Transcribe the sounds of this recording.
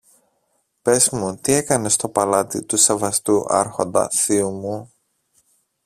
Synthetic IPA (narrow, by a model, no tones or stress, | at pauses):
pe̞zmut̪ie̞kɐne̞st̪o̞pɐlɐt̪it̪use̞vɐst̪uʔɐ̰ɾxo̞nd̪ɐ̰θiumu